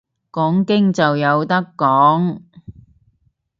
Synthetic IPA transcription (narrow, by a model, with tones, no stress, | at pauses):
kɔː˨˥ŋkɪ˥ŋt͡sɐ˨wjɐ˨˧wt̪ɐ˥kːɔː˨˥ŋ